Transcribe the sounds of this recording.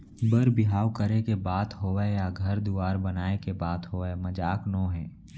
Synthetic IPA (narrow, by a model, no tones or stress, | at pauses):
bəɾbɪɦaːwkəɾekebaːt̪ɦoːɛjaɡʱɐɾd̪uaːɾbənaːekebaːt̪ɦoːemɐd͡ʒaːknõːɦɛ̃ː